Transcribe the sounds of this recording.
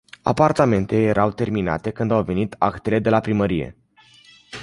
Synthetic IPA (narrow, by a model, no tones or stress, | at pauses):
a̰part̪ame̞nt̪eje̞ɾʔawt̪e̞rmina̰t̪e̞kɨnd̪awve̞nit̪a̰kt̪e̞le̞d̪e̞lapɾiməɾije̞̰